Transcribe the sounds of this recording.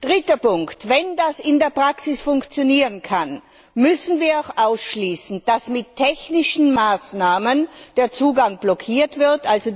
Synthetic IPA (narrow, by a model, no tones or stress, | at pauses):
d̥ʁɪtəpʊŋktvɛndasɪndeːɐpʁ̥aksɪsfʊŋkt͡sjoniːʁənkʰan | mʏsn̩viːɐaʊxʔaʊsʃliːsn̩d̥asmɪtʰːɛçnɪʃn̩maːsnaːmənd̥eːɐt͡suːɡaŋblɔkʰiːɐtv̥ɪɐtʔalzo